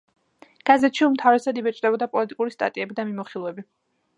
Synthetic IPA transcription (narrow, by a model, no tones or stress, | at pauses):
ɡ̥azɛt̪ʃiumt̪ʰavɾɛsad̪ibɛt͡ʃʼd̪ɛbɔd̪apʼɔlit̪ʼikʼuɾist̪ʼa̰t̪ʼiɛbid̪amimɔχilˠɛbi